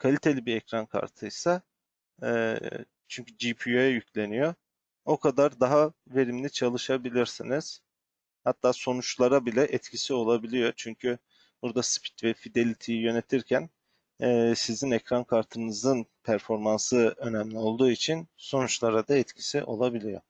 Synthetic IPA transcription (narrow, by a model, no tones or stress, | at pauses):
kʰalʲit̪ʰe̞lʲibiɾɛcɾankʰa̰ɾt̪ʰɯjsa | t͡ʃʰyɲcʰyd͡ʒipʰiøjɛjycʰlʲe̞nijo̞ | o̞kʰad̪aɾd̪aɦave̞ɾimlʲit͡ʃʰalˠɯʃabilʲiɾsiniz̥ | hat̪ʰːaːso̞nut͡ʃlˠaɾabilʲɛʔɛt̪cʰisio̞lˠabilʲijo̞t͡ʃʰyɲcʰy | b̥uɾd̪aspʰi̥t̪vɛfid̪e̞lʲit̪ʰijijø̞ne̞t̪ʰiɾcʰæn | ɛsizinɛcɾankʰaɾt̪ʰɯnɯzɯnpʰæɾfo̞ɾmansɯø̞nɛmlʲio̞lˠd̪uːit͡ʃʰinso̞nut͡ʃlˠaɾad̪aɛt̪cʰi̥siʔo̞̰lˠabilʲijo̞̰